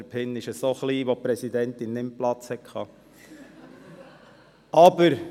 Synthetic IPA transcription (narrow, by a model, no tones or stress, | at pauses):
ɾpʰɪnːɪʃəsoχliːʋopɾɛsid̪ɛnt̪ɪnːɪmplɑt͡shɛkʰχɑː | ɑbəɾ